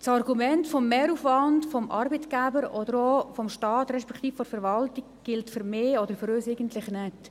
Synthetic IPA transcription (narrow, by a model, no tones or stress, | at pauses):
t͡sɑrɡumɛntfɔmːeːɾuːfʋɑndfɔmʔɑ̰ɾbətɡ̥æbəɾɔd̥̪əɾofɔmʃtɑːtɾɛʃpɛkχt̪iːffɔɾfəɾʋɑltikɡ̥ɪltfʏɾmeːɔd̪əɾfyɾøːsɪɪɡəntlɪχnɛt